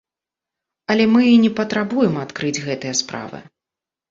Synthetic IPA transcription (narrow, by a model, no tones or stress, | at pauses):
ɐlʲɛmɨnʲɛpɐt̪ɾabujɛmat̪kɾɨd͡zʲɣɛt̪ɨjɐspɾa̰vɨ̰